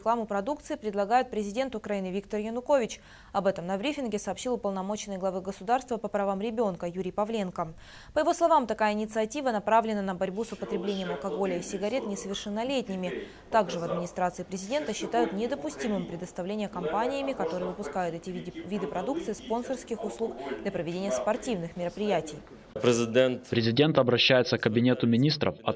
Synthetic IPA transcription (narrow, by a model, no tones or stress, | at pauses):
ɪklˠamʊpɾɐd̪uk̚t̪sɨɪpɾʲɪd̪lˠɐɡajʊt̪̚pɾʲɪzʲɪdʲent̪ʊkɾɐinɨvʲikt̪ərjənʊko̞vʲɪt͡ɕ | ɐbɛt̪əmnɐbɾʲifʲɪnɡʲɪsɐːpɕilˠʊpəlˠnɐmo̞t͡ɕɪnɨəjɡlˠɐvɨɡəsʊd̪arst̪vəpəpɾɐvamɾʲɪbʲo̞nkəjuɾʲɪjpɐvlʲe̞nkə | pəjɪvo̞slˠɐvamt̪ɐkajəɪnʲɪt̪sɨɐtʲivənɐpɾavlʲɪnənəbɐɾʲbusʊpət̪ɾʲɪblʲenʲɪjəmɐlˠkɐɡo̞lʲəisʲɪɡɐɾʲe̞t̪nʲɪsəvʲɪrʂɨnːɐlʲetʲnʲɪmʲɪ | t̪aɡʐɨvɐd̪mʲɪnʲɪst̪ɾat̪sɨɪpɾʲɪzʲɪdʲe̞nt̪əɕːɪt̪ajʊt̪nʲɪd̪əpʊsʲtʲimɨmpɾʲɪd̪əst̪ɐvlʲenʲɪjəkɐmpanʲɪjəmʲɪkɐt̪o̞ɾɨjəvɨpʊskajʊt̪ɛtʲɪvʲid̪ɨpɾɐd̪ukt̪sɨjɪspo̞nsərskʲɪxʊslˠukd̪lʲɐpɾəvʲɪdʲenʲɪjəspɐrtʲivnɨxmʲɪɾəpɾʲɪjætʲɪj | pɾʲɪzʲɪdʲent̪pɾʲɪzʲɪdʲe̞nt̪ɐbɾɐɕːæjɪt̪səkːəbʲɪnʲe̞t̪ʊmʲɪnʲist̪ɾə̰fɐ̰